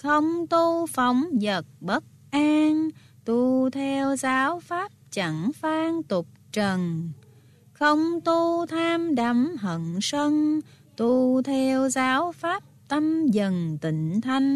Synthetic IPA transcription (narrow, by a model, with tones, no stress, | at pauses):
xə˧wŋ͡mt̪u˧fa˨˦wŋ͡mzə˨˩t̚ɓə˦˥t̚ʔaː˧ŋ | t̪u˧t̪ʰɛ˧wzaː˨˦wfaː˦˥p̚t͡ɕa˧˩ŋfaː˧ŋt̪ʊ˨˩p̚t͡ɕə˨˩n | xə˧wŋ͡mt̪u˧t̪ʰaː˧mɗa˨˦mɦə˧˨ŋsə˧ŋ | t̪u˧t̪ʰɛ˧wzaː˨˦wfaː˦˥p̚t̪ə˧mzə˨˩nt̪ḭ̈˧˨ŋ̟t̪ʰa˧jŋ̟